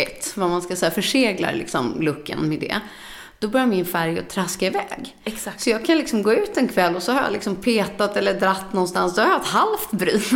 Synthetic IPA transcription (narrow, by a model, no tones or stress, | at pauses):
ɛt̪ːvamanskasɛːafœʂeːɡla̰ɾlɪ̰ksɔmlɵkːə̰nmɛd̪ɛ̰ | d̪̥ɔbœɾjaɾmɪnfæɾjɔ̰t̪ʰɾaskaɪvɛːɡ | ssɔjɑːɡ̚kʰanlɪksɔmɡoːʉ̟ːt̪ɛnkʰvɛlːɔsɔhaɾja̰lɪksɔmpʰeːt̪at̪ɛlːəd̪ɾat̪ːnɔnst̪ansd̪ɔhajaɛt̪halft̪bɾyː